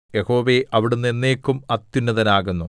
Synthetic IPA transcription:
jeho̞ːʋeʔɐʋiɽunːe̞nːeːkːumɐt̪ːunːɐðɐnaːɣunːu

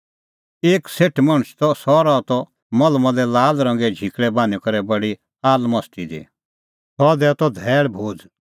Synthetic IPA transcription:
eːkseːʈʰmɐ̃ɽ̃st̪ɔsɔɾat̪ɔ | mɐlmɔ̃lɛlaːlɾɐ̃ŋɡɛd͡ʒʱikɽɛbaːnikɐɾɛbɐɽi | aːlmɐst̪id̪ḭ | sʰɔd̪ɛt̪ɔd̪ʱɛːɭbʱoːd͡z

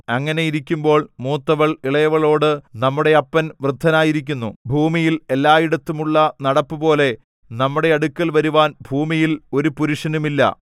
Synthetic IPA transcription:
ɐŋːɐne̞jiɾikʲːumbo̞ːɭmuːt̪ːɐʋɐɭiɭɐjɐʋɐɭo̞ːɽɨnɐmːuɽe̞ɐpːɐnʋrɨd̪ʱːɐnaːjiɾik̬ʲːunːubʱuːmijile̞lːaːjiɽɐt̪ːumuɭːɐnɐɽɐpːɨpo̞ːle̞ | nɐmːuɽe̞ɐɽukʲːɐlʋɐɾuʋaːnbʱuːmijilo̞ɾupuɾuʂɐnumilːɐ̰

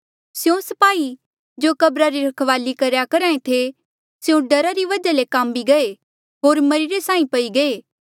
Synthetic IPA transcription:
sjõsɐpaːi | d͡ʒoːkɐbɾaɾiɾɐkʰʋaːlikɐɾjakɐɾaːẽt̪ʰe | sjũɖɐɾaɾiʋɐd͡ʒalekãːmbiɡɐe | ɦoːɾmɐɾiɾesãːĩpɐiɡɐeː

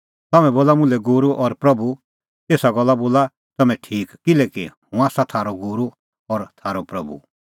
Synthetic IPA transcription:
t̪ɐmɛ̃boːlamʊ̃lɛɡoːɾuʔɔɾpɾɐbu | eːsaɡɔlːaboːla | t̪ɐmɛ̃ʈʰiːkkɪlɛːkihũaːsat̪ʰaːɾoɡuːɾu | ɔɾt̪ʰaːɾopɾɐbṵ

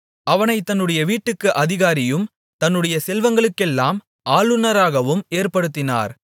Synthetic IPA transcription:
ɐʋɐnɐɪt̪ːɐnːɯɽɐjɐʋiːʈːɯkːɯʔɐðɪɣaːɾɪjɯm | t̪ɐnːɯɽɐjɐsɛlʋɐŋɡɐɭɯkːɛlːaːm | aːlɯnɐɾaːɣɐʋɯmeːɾpɐɽɯt̪ːɪna̰ːɾ

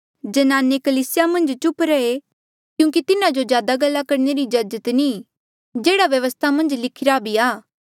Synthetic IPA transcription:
d͡ʒɐnaːnekɐliːsɪjamɐ̃nd͡ʒt͡ʃʊpɾɛe | kjũːŋk̬it̪ɪnãd͡ʒozjaːd̪aɡɐlːakɐɾneɾid͡ʒɐd͡ʒət̪ni | d͡ʒeːɽaʋjɐʋəst̪ʰamɐ̃nd͡ʒlɪkʰɪɾabʱiaː

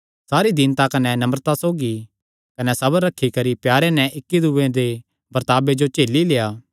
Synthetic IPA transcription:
saːɾid̪ɪnt̪akɐnɛnɐməɾt̪asoːɡi | kɐnɛsɐbəɾːɐkʰːikɐɾipjaːɾenɛ̃ʔɪkːid̪uʋẽd̪e | bɐɾt̪aːbed͡ʒot͡ʃeːlileːjaː

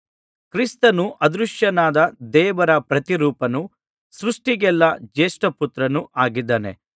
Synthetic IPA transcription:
kɾist̪ɐnuʔɐd̪ɾuʂjɐnaːd̪ɐd̪ɛːʋɐɾɐpɾɐt̪iɾuːpɐnu | sɾuʂʈiɡɛlːɐd͡ʒeːʂʈɐput̪ɾɐnuʔaːɡid̪ːaːnḛ

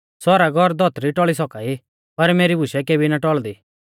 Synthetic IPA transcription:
sɔɾaɡʱɔɾd̪ʱɔt̪ɾiʈɔɭisɔkaːi | pɐɾmeːɾibʱʊʃɛkeːbinaʈɔɭd̪iː

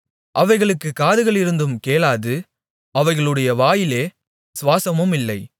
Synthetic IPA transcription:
ʔɐʋɐɪɣɐɭɯkːɯkːaːðɯɣɐɭɪɾɯnd̪ɯmkeːlaːðɯ | ɐʋɐɪɣɐɭɯɽɐjɐʋaːjɪleː | sʋaːsɐmɯmɪlːɐɪ

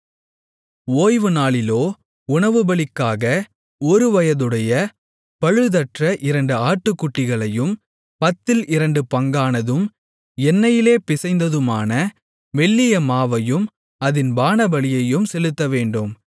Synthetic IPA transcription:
oːjʋɯnaːɭɪloː | ʊɳɐʋɯbɐɭɪkːaːɣɐ | ɔɾɯʋɐjɐðɯɽɐjɐ | pɐɻɯðɐʈrɐʔɪɾɐɳɖɯaːʈːɯkːʊʈːɪɣɐɭɐjɯm | pɐt̪ːɪlʔɪɾɐɳɖɯpɐŋɡaːnɐðɯm | ɛnːɐjɪleːpɪsɐɪnd̪ɐðɯmaːnɐ | ʋɛɭːɪjɐmaːʋɐjɯm | ɐðɪnbaːnɐbɐɭɪjɐjɯmsɛlɯt̪ːɐʋeːɳɖɯm

